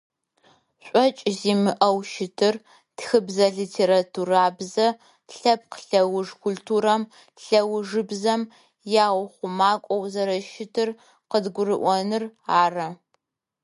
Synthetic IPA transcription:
ɕʷʼɔt͡ʃʼziːmɨʔɐwʃɪtʰɨr | txɨbzɐɮitʰeːɾatʰuraːbzɐ | ɬɐp̚qɬɐwʊʐkʷʰultʰuːɾɐm | ɬɐwʐɨbzɐm | jaːʁʷʊχʷʊmaːkʷʼɔwzɐɾɐʃɪtʰɨr | qədɡʷʊɾɨʔʷɔnɨraːrɐ

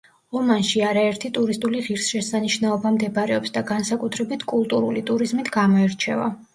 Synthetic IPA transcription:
ɔmanʃiaɾaɛɾt̪ʰit̪ʼuɾist̪ʼuliʁiɾsʃɛsaniʃnaɔbamd̪ɛbɾɛɔpsd̪aɡansakʼut̪ʰɾɛbit̪ʰkʼulˠt̪ʼuɾulit̪ʼuɾizmit̪ʰɡamɔɛɾt͡ʃʰɛ̰va̰

